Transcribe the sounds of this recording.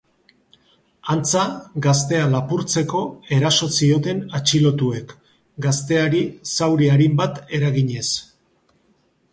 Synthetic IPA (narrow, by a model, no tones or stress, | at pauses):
ant͡saɡast̪e̞alapuɾt͡se̞ko̞e̞ɾaso̞sio̞t̪e̞nat͡ʃilo̞t̪ue̞k | ɡast̪e̞aɾisawɾiaɾimbat̪e̞ɾaɣiɲe̞s